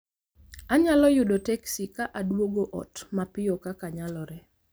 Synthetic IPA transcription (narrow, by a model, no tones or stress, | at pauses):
aɲalɔjʊdɔtɛksikaʔadwoɡoʔɔ̰tmapɪokakaɲalɔɾɛ